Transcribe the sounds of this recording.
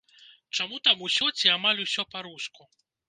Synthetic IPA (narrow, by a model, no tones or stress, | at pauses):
t͡ʂamut̪amusʲɔt͡sʲiamalʲusʲɔpaɾusku